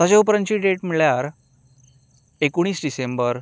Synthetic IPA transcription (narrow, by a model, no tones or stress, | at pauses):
ad͡ʑeupɾənt͡ɕiːɖeʈmiɭjaɾ | ekoɽ̃iːsɖisembəɾ